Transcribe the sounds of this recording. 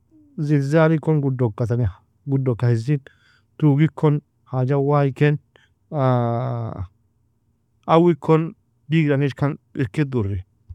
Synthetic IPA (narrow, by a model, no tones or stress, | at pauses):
zɪlzaːɾɪkːɔnɡʊd̪ːɔkːɐt̪ɐnɛ | ɡʊd̪ːɔkːɐhɪzɪ | t̪uːɡɪkʰːɔn | haːd͡ʒɐwaːjkːɛn | ɐwɪkʰːɔn | d̪iːɡɾɐnɪʃkːɐnɪɾkːɪd̪ʊrːɛ